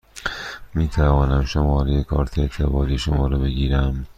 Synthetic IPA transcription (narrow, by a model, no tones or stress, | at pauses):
miːt̪ʰævɒːnæmʃomɒːɾejekʰɒːɾt̪ʰet̪ʰevɒːɾiːʃomɒːɾɒːbe̞ɡiːɾæm